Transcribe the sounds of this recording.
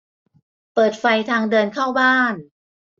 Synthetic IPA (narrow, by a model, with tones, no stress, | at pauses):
pɤː˨˩t̪̚fa˧jt̪ʰaː˧ŋdɤː˧nkʰaː˥˩wbaː˥˩n